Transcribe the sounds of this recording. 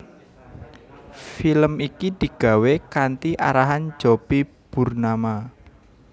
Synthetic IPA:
filəmikid̪̥i̤ɡ̥ä̤wekant̪iʔaɾaɦan̥d͡ʒopi | b̥urnama

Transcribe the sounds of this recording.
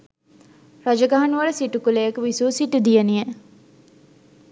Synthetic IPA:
rad͡ʒɐɡaɦanuʋɐləsiʈukulejekəʋisuːsiʈud̪ijenije

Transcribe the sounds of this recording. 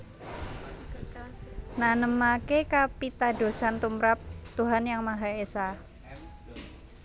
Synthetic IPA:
nanəmakekapit̪ado̤sant̪umɾap̚t̪uɦanjaŋmaɦaesa

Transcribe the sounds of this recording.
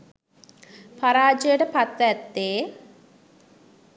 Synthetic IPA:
faɾaːd͡ʒəjəʈəpat̪ʋɛt̪ːeː

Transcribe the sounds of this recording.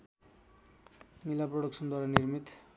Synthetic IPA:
milaproɽʌksʰʌnd̪waɾaniɾmit̪

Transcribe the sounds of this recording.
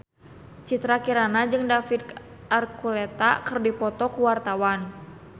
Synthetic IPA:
t͡ʃit̪ɾakiɾanad͡ʒɨŋdafid̪ | arkulɛt̪a̰kɨrdipɔt̪ɔkuwart̪awan

